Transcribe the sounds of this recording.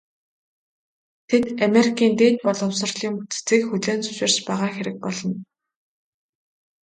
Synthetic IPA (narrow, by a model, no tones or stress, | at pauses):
t̪ʰet̪ameɾikʰiːnt̪eːt̪pɔɮɞ̆wsə̆rɮiːŋut͡sʰt͡sĭːkxɵɮoːnt͡sɵ̥ʃɪ̆r̥t͡ɕpæːʁaːxeɾɘ̆k̚pɔɮɞ̆n